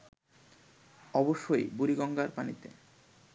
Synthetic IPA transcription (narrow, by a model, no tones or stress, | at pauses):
ɔboʃːojbuɾiɡɔŋɡaɾpanḭt̪ḛ